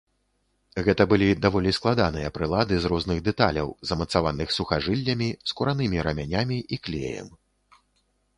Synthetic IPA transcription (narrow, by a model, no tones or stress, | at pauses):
ɣɛt̪ɐbɨlʲid̪avɔlʲisklˠad̪an̪ɨjɐpɾɨlˠad̪ɨzɾɔznɨɣd̪ɛt̪alʲɐ̰wzɐmɐt̪savanɨxsuxaʐɨlʲːɐmʲiskuɾanɨmʲiɾɐmʲanʲamʲiʔiklʲḛjɐ̰m